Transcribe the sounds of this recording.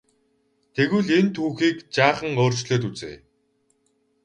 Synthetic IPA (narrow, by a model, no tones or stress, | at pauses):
t̪ʰeɣŭɮent̪ʰuːxiːkt͡ɕaːχə̆ŋoːr̥t͡ɕɮeːt̪̬ut͡sḛː